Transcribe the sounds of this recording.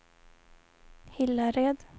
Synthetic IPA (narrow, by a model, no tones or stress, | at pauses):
hɪlːaɾeːd̪